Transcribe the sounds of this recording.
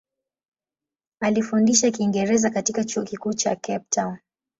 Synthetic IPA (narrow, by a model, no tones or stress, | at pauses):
alifundiʃakiːŋɡɛɾɛzakatikat͡ʃuɔkikuːt͡ʃakɛp̚taʊn